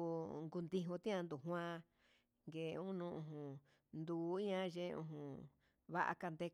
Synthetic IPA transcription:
ŋɡu˧nd̪i˧ɦũ˧t̪ĩ˦ã˧nd̪u˨ɦw̃ã˦˧ | ŋɡe˨˧ũ˦nũ˧˦ʔũ˧ɦũ˨ | nd̪uː˨˦i˦ɲã˦˧ʒe˦˧ṵ̃˧ɦũ˧˨ | βa˦ʔa̰˧ka˧nd̪e˧

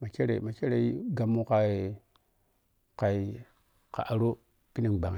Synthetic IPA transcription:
ma˨t͡ʃe˦ɾḛ˨ma˨t͡ʃe˦ɾe˨i˦ɡa˨mːu˦ka˨˦e˨ | ka˨i˨ | ka̰˨ʔa˨ɾo˦ | pi˦ni˨ɡ͡ba̰˨ŋ˨

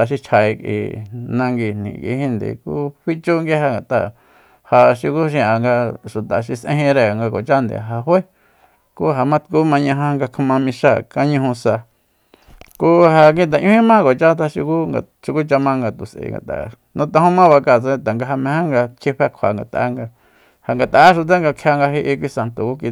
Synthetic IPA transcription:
a˨ʃ̬i˧t͡ʃʰa˧i˧kḭ˨nã˧ŋɡi˧n̥ḭ̃˨kḭ˧˦hĩ˦nd̪ḭ˨kṵ˦ɸi˦t͡ʃu˦ŋɡe˦ha˧ŋɡa˨t̪a̰˨ | ha˧ʃi˧ku˦ʃ̬ĩ˧a˨ŋɡa˧ʃu˨t̪a˨ʃi˧sʔḛ̃˧˦ĩ˧ɾe˧˨ŋɡa˧ko̰˨t͡ʃa˦nd̪ḛ˨a˨ɦa˧hwe˦ | ku˦ɦa˧mã˦t̪ku˦mã˧ɲã˧ɦã˧ŋɡa˧kʰa˧mã˧mĩ˧ʃa˦˨ka˦ɲũ˧hũ˧sa˧ | ku˦ha˧kĩ˦˧t̪̬a˨ʔɲũ˦hĩ˦mã˦ko˨t͡ʃa˦t̪a˧ʃi˧ku˦ŋɡa̰˧ | ʃi˧ku˦t͡ʃa˧mã˦˧ŋɡa˧t̪u˨sʔḛ˨ŋɡa̰˨t̪a̰˨ | nũ˧t̪ã˧hũ˦mã˦βa˧ka˧˨t͡sẽ˧t̪a˨ŋɡa˧ɦa˧mẽ˧hã˦ŋɡa˧kʰe˧ɸe˧kʷʰa̰˨ŋɡa̰˨t̪a̰˨˦ŋɡa˧ | ha˨ŋɡa˨t̪a˨˦ʃ̬u˧t̪̬a˦ŋɡa˧kʰa˧ŋɡa˧ɦe˧ʔi˧k̬ʷi˧sa˧nt̪o˨ku˦k̬i˧

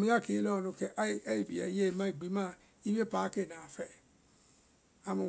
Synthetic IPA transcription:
mĩ˦a˦˨ke˨˦lɔ˦˧nũ˧kɛ˧ʔi˦˨bḭ˨a̰˨˦je˦˧mã˦i˦˨ɡ͡bi˨˦mã˦˨ | i˦m˦e˦pa˨˦ke˦˨nã˨fɛ˦˨ | a˧mũ˧

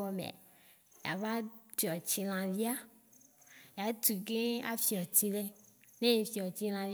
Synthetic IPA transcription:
ɔ˨mḛ̃˨ | ja̰˨va˦d̪i˨ɔ˨t͡ɕi˨l̃ã˨vi˦a˦ | ja˨t̪u˨ke˦a̰˦fi˨ɔ˨t̪i˦le˦nẽ˦je˨fi˨ɔ˨t͡ɕi˦l̃ã˨˦

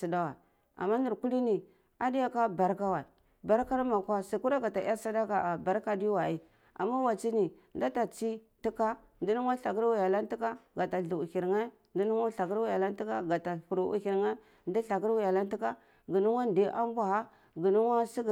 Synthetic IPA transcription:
si˨da˦wa˨ | a̰˨mːa˦ni˨ɾku˦li˦ni˨ | a˨di˦ja˦ka˦ba˨ɾka˦wa˨ | ba˨ɾka˦na˦ma˨kʷa˦si˨ku˦ɾa˦ɡa˨ta̰˨˦a˦sa˦da˦ka˨a˨ba˨ɾka˨di˦wa˨i˦ | a̰˨mːa˦wa˨t͡ʃi˦ni˨ | nda˦ta˨t͡ʃi˦ | ti˦ka˦ | ndi˦nu˦ŋ˦a˦ɬa˨ki˦ɾwu˦ja˨la˦n˦ti˦ka˦ɡa˨ta˨ɮu˨u˨hi˨ɾŋa˦ | ndi˦nu˦ŋa˦ɬa˨ki˦ɾwu˦ja˨la˦n˦ti˦ka˦ɡa˨ta˨ku˨ɾu˨ʔṵ˨hi˨ɾŋa˦ | ndi˦ɬa˨ɡi˦ɾwu˦ja˨la˦n˦ti˦ka˦ | ɡi˨nu˦wa˦n˨di˦ʔa̰˦m˦bʷa˨ha˦ | ɡi˨nu˦wa˦si˦ɡ

